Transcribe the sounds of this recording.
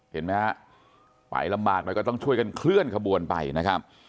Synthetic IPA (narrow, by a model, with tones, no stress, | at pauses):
he˨˩˦nma˦˥a˦˥ | pa̰˨˩˦jla˧mbaː˨˩k̚nɔː˧˦˥kɔː˥˩t̪ɔ˥˩ŋt͡ɕʰu˥˩əjka˧nkʰlɯ˥˩ənkʰa˧bu˧ənpa̰˧jna˦˥kʰɾa˦˥p̚